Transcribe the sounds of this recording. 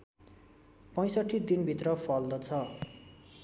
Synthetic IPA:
pʌ̃j̃sʌʈʰːid̪inbʱit̪rʌpʰʌld̪ʌt͡sʰʌ

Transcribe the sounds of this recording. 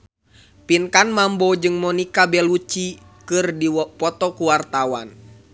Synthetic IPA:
pinkanmambɔd͡ʒɨŋmɔnikabɛlut͡ʃi | kɨrdipɔt̪ɔkuwart̪awa̰n

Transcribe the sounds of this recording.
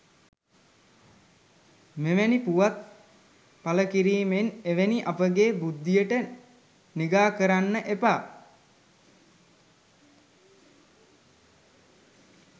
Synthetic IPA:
meʋenipuʋat̪̚ | paləkiɾiːmeneʋeniʔapəɡeːbud̪ːijəʈə | niɡaːkəɾanːəʔepaː

